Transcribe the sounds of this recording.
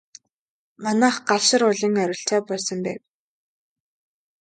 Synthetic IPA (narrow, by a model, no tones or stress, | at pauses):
manaːχɢaɮʃɪ̆ɾʊɮĭŋœɾʲɪ̆ɬt̪ʰæːpɔɮsɞ̆mpæːw